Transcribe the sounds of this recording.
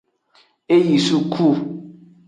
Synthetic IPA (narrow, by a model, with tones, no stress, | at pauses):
e˦ji˨su˦kʰu˦˨